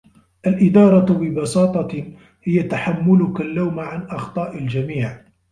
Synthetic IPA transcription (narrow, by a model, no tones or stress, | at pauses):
ʔalʔɪd̪ɑːɾˤɑbɪbɑsɑːt̪ˤɑ | hɪjat̪aħamːʊlʊkalːawmʕanʔɑxt̪ˤɑːʔald͡ʒamiːʕ